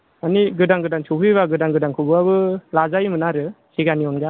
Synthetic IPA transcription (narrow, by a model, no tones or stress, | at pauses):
aniɡɯdaŋɡɯdaŋsʰukʰɯβaɡɯdaŋɡɯdaŋkʰɯbɯaβɯlazajmɯnaɾɯ | siɡaniɔnɡa